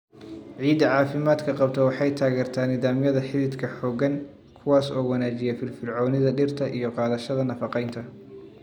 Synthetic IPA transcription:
ʕiːd̪ɐʕɑːfɪmaːd̪kʰɐqɑbt̪ʰɛwɑħɑjt̪ʰaːɣɛːrt̪ʰaːnːɪðaːmjɐðɐħɪlɪd̪kʰɐħɔːɡɐŋ | kʰʊwɑːsɔːwɐnaːt͡ʃɪjɛfɪlfɪrʕɔːnɪðɐɖɪrt̪ʰɐʔijɔqɑːðɐʃɐðɐnɐfɑqɛjnt̪ʰɐ

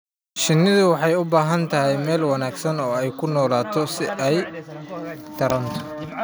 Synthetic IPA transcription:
ʃɪnːɪðʊwɑħɑjʊbaːɦɐnt̪ʰɐɦɛjmɛːlwɑnaːɡsɐnɔːɛjkʰʊnɔːlaːt̪ʰɔsɪʔɛj | t̪ʰɐɾɐnt̪ʰɔ̥

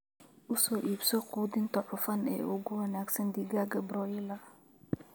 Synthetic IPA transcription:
ʔʊsɔːʔiːbsɔquːd̪ɪnt̪ʰɔʕʊfɐnɛ̰ːʔʊɣʊwɐnaːɡsɐnd̪iɡaːɡɐbɾɔjɪlɐ

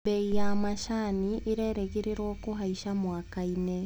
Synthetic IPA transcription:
beijamaʃaniʔiɾeːɾeɣiɾiɾwoːkuɦaiʃamwaːkaine

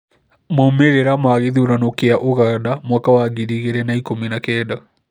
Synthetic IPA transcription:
momeɾeɾamaːɣeðioɾanokeaʔoɣadamwakawaɣiɾiɣeɾɛnaikominakɛːda

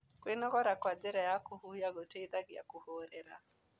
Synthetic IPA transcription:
kwenɔɣɔɾakwad͡ʒɛɾajakʊhujaɡɔteiðaɡɪja̰kuhoɾɛɾa̰

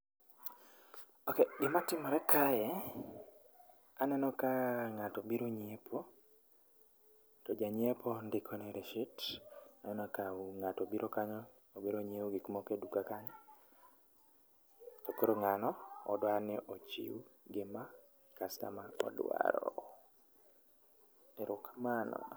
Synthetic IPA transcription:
okeɡɪmatɪmɔɾɛkʰajɛ | anɛnɔkaŋatobiɾoɲepʰo | tɔd͡ʒaɲiepʰondɪkʰɔneɾeʃitanɛnɔkaŋatobiɾokaɲɔː | biɾoɲewɡɪkmɔkedukakaɲɔ | tokoɾoŋanɔ̰ːdwanɪʔot͡ʃḭuɡɪma | kasta̰maɔ̰dwa̰ɾɔ̰ | eɾʊkmanɔ̰

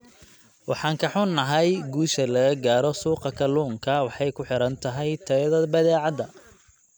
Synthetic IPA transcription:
wʔɑ̰ħɑːŋkʰɐħʊnːɐɦɐjɡuːʃɐlɐɣɐɡaːɾɔsuːqɑkʰɐluːŋkʰɐwɑħɑjkʰʊħɪɾɐnt̪ʰɐɦɛjt̪ʰɐðɐbɐðɛːʕɑd̪ɐ

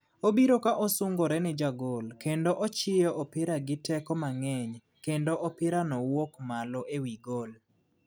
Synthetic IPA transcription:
obiɾokaʔɔsʊŋɡɔɾɛnɪd͡ʒaɡolkendoʔɔt͡ʃɪjɔʔɔpɪɾaɡɪtɛkɔmaŋɛɲ | kendoʔɔpɪɾanɔwokmalɔʔewiɡol

